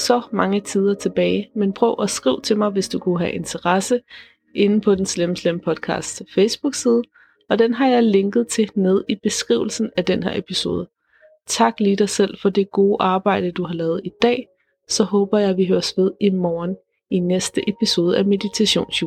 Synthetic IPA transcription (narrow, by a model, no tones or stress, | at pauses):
sɒ̽mɑ̈ŋət͡sʰiːð̞ˠɐt͡sʰe̝b̥ɛːɪmenpʰʁœʊ̰ʔæsɡ̥ʁḭʊ̰t͡sʰe̝lmɑ̈ɪʋe̝sd̥ukʰuɦæʔe̝nt͡sʰɐʁɑsə | ʔe̝nn̩pʰɒ̽d̥enslemslempʰɒ̽d̥̚kʰɑ̰̈ːsd̥sfeɪsb̥uɡ̥siːð̞ˠə | ɒ̽d̥enɦɑ̈jɑ̈ɪle̝ŋɡ̥ð̞̩ˠt͡sʰe̝neð̞ˠib̥e̝sɡ̥ʁḭʊl̩sn̩æd̥enɦeɐ̰e̝pʰiso̝̰ːð̞ˠə | t͡sʰɑ̈ɡ̥liːdɑ̈ɪsel̰fɒ̽de̝ɡ̥o̝ːʔɑ̈ːb̥ɑ̈ɪ̰d̥əd̥uɦɑ̈lɛːʊð̞̩ˠid̥ɛ̰ː | sɒ̽ɦɔ̽ːb̥ɐjɑ̈ɪʋiɦøːɐsʋe̝ð̞ˠimɒːn | inesd̥əʔepʰiso̝ːð̞ˠəæme̝ðit͡sʰæɕo̝̰ːnsu